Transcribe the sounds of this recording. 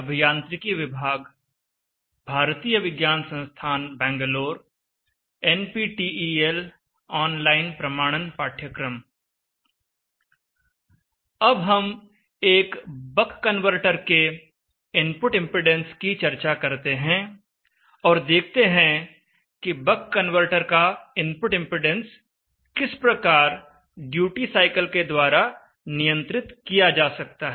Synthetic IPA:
ɐbʱijãːnt̪ɾɪkiʋɪbʱaːɡ | bʱaːɾt̪iːjəʋɪɡjaːnsə̃nst̪ʰaːnbɛ̃ːŋɡəloːɾ | ɛnpiʈiiel | ɔːnlaːɪnpɾɐmaːɽ̃ənpaːʈʰjəkɾəm | ɐbɦɐm | eːkbəkʰːənʋəɾʈəɾke | ɪ̃mpʊʈɪ̃mpɪɖɛ̃nskit͡ʃɐɾt͡ʃakɐɾt̪eɦɛ̃ | ɔːɾd̪eːk̚ʰt̪eɦɛ̃ | kibɐkːɐnʋəɾʈəɾkaɪ̃mpʊʈɪ̃mpɾɪɖɛ̃ns | kɪspɾɐkaːɾ | ɖjuːʈisaːɪkəlked̪waːɾa | nijə̃nt̪ɾɪt̪kijad͡ʒaːsɐk̚t̪aɦɛ

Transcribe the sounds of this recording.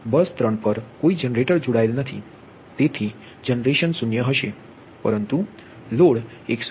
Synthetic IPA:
bəst̪ɾəɳpəɾkoid͡ʒənɾeʈəɾd͡ʒuɽaelnət̪ʰḭ | t̪et̪ʰi | d͡ʒənɾeʃənsunjəɦəʃe | pəɾənt̪u | loɽeks

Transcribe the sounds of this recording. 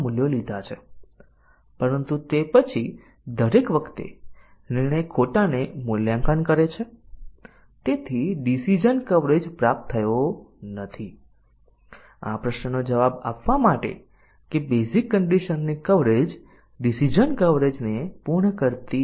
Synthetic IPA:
muljolid̪ʱat͡ʃʰe | pəɾənt̪ut̪epət͡ʃʰi | d̪ʱəɾekʋəkʰt̪ḛ | niɽ̃əjkʰoʈanemuljamkankəɾet͡ʃʰe | t̪et̪ʰiɖisid͡ʒənkəʋɾed͡ʒpɾap̚t̪ʰːəjonət̪ʰi | a̰pɾəʃnənod͡ʒəʋaba̰pʋamaʈḛ | kebezikːəɳɖiʃənːikəʋɾed͡ʒ | ɖisid͡ʒənkəʋɾed͡ʒnepuɾɳəkəɾt̪i

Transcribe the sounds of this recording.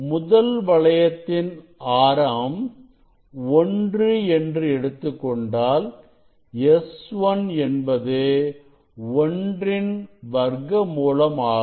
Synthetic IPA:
mʊðɐlʋɐɭɐjɐt̪ːɪn | aːɾaːm | ɔndrɯɛndrɯɛɽɯt̪ːɯkːɔɳɖaːl | ɛsʋɐnɛnbɐðeː | ɔndrɪnʋɐɾɡɐmuːlɐmaː

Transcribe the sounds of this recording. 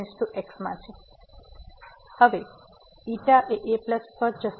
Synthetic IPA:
nsʈ̪uʔeksmã̰t͡ʃʰe | həʋe | iʈaʔeʔepləspəɾd͡ʒəs

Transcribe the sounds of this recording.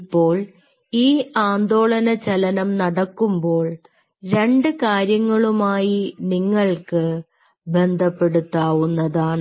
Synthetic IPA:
pːo̞ːɭ | iːaːnd̪o̞ːɭɐnɐt͡ɕɐlɐnɐmnɐɽɐkːumbo̞ːɭ | ɾe̞ɳɖɨkaːɾjɐŋːɐɭumaːjiniŋːɐɭkɨ | be̞nd̪ʱɐpːe̞ɽut̪ːaːʋunːɐðaːɳɨ

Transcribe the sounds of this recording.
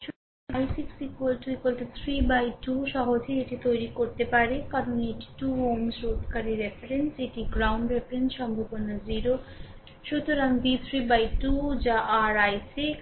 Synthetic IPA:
ʃut̪oɾɾaŋajsiksikwelʈikelt̪et̪ʰɾibajʈuʃɔɦod͡ʑʱeeʈit̪ojɾikoɾt̪epaɾekaɾoneʈi̥ʈuɦomsɾot̪kaɾiɾefeɾenseʈiɡɾawɳɖɾefɾensʃɔmbʱobonaziɾo | ʃut̪oɾaŋbit̪ʰɾibajʈud͡ʑaʔaɾajsik

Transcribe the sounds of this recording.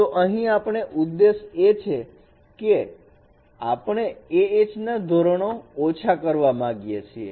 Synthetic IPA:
t̪oʔəɦĩapɳ̃eʔud̪ːeʃet͡ʃʰe | ke | apɳ̃eeet͡ʃnad̪ʱoɾəɳoːt͡ʃʰakəɾʋamãɡjet͡ʃʰiḛ

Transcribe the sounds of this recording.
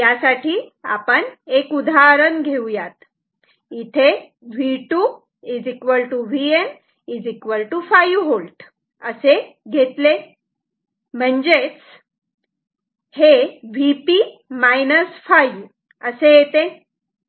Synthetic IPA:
jasaʈʰia̰pəɳekud̪ʱaɾənɡʱewjat̪ | it̪ʰe | ʋiʈu | id͡zikʋəlʈuʋien | id͡zikʋəlʈufajɦolʈ | əseɡʱet̪le | m̤əɳd͡zet͡s | heʋipimajnəsfaju | əsejet̪e

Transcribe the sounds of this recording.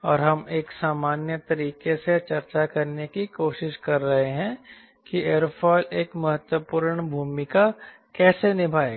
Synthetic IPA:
ɔːɾɦɐmeːksaːmaːnjət̪ɐɾiːkeset͡ʃɐɾt͡ʃakɐɾnekikoːʃɪʃkɐɾːɐɦeɦɛ̃ | kieːɾpʰɔːleːkmɐɦət̪wəpuːɾɳbʱuːmɪka | kɛːsenɪbʱaːeːɡ

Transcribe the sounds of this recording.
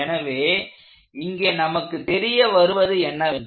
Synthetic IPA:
ɛnɐʋeː | ɪŋɡeːnɐmɐkːɯt̪ɛɾɪjɐʋɐɾɯʋɐðɯɛnːɐʋɳ

